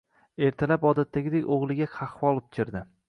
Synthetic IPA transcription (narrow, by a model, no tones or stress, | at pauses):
e̞ɾt̪ʰalapɒd̪at̪ʰːaɡʲɪd̪ekʲoʁlˠɪɡʲakʰɑχwɒlˠʊp̚t͡ʃʲʰɪɾd̪ɪ